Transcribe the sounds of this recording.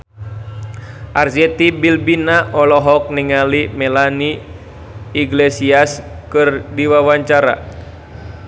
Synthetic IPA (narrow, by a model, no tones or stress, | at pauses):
ʔard͡ʒɛt̪ibilbinaʔɔlɔɦɔk̚niŋalimɛlaniː | ɡlesias | kɨrdiwawaɲt͡ʃaɾa̰